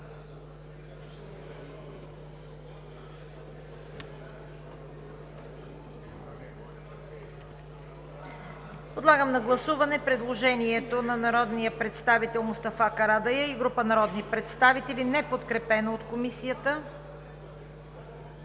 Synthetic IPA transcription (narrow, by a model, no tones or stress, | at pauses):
pod̪lˠaɡəmnɐɡlˠɐsuvɐnɛpɾɛd̪lˠoʒɛniɛt̪onɐnɐɾɔd̪nijəpɾɛt̪st̪avit̪ɛlˠmʊst̪ɐfakɐɾad̪ɐjəiɡɾupənɐɾɔd̪nipɾɛt̪st̪avit̪ɛlinɛpot̪kɾɛpɛnoːt̪komisijət̪ə